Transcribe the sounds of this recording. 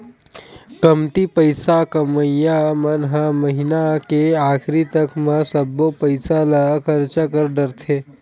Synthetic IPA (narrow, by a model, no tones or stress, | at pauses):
kəmt̪ipəɪsakəməjamənɦaməɦɪnakeaːkʰɾit̪əkʰmãsəbːopəɪsalakʰəɾt͡ʃakəɾɖəɾt̪ʰeː